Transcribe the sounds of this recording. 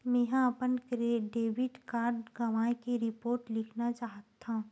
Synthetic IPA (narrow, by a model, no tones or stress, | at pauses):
mɛ̃ɦãɐpənkɾeɖeːʋɪɖkaːɾɖɡɐʋaːẽkeɾɪpoːɾʈlɪkʰnat͡ʃaːɦt̪ːã